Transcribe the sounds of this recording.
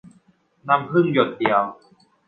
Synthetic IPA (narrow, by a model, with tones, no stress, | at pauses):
na˧˥mkʰɯ˥˩njo˨˩t̪̚di˨˩əw